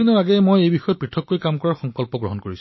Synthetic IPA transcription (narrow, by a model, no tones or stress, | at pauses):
inɔɹaɡɛmojejbixɔjɔt̚pɹitʰːɔkːojkamkɔɹaɹxɔŋkɔlpɔɡɹɔ̰ɦɔnkoɹis